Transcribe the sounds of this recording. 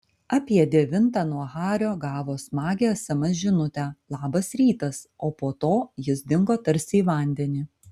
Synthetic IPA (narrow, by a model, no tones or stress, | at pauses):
ɑpʲiɛd̪ʲɛʋʲɪnt̪ɑnuɔɣɑːɾʲoːɡɑːʋoːsmɑːɡʲeɐsʲɐmɐsʒʲɪnʊt̪ʲæːlˠɑːbɐsɾʲiːt̪ɐsoːpoːt̪oːjɪsd̪ʲɪŋɡoːt̪ɐɾʲsʲɪːʋɐˑnʲd̪ʲɛnʲiː